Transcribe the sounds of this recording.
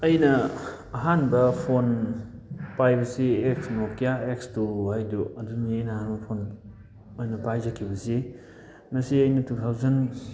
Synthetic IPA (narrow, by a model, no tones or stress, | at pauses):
ɐjnɐː | ɦanbɐpʰon | pajbɐsieksnokijaekstuhajdoɐduniɐjnɐhanbɐpʰon | ojnɐpajzakʰːibɐsi | mɐsiɐjnɐtut̪ʰawzɐn